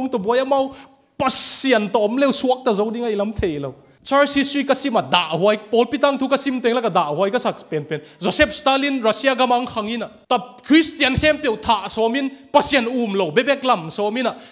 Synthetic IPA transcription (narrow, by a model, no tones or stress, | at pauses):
ŋtɔbuɔjɐmaw | pɐsiɐnt̪ɔɔmlewsuɐk̚tɐzowdiŋajlɐmt̪ʰejlo̰w | t͡ʃaɾsisɾikɐsimɐdaʔɦuajpɔlpit̪̬aŋtʰukɐsimt̪eŋlakadaʔɦwajkɐsakpenpenzɔsep̚stalinɾasiaɡamaŋkʰaŋinatakʰɾistiɐnhɛmpewtʰaʔsɔminpɐsienumlowbebɛk̚lɐmsɔmina